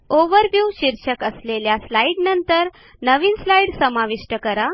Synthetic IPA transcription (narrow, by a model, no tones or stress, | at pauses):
oʋəɾʋjuʋɕiɾɕəkəsleljaslaiɖnənt̪əɾ | nəʋiːnslaiɽsəmaʋiʂʈəkəɾa